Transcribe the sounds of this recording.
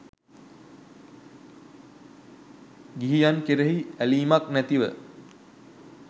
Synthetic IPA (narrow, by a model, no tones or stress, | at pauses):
ɡiɦijankeɾeɦiæliːmaknæt̪iʋə̰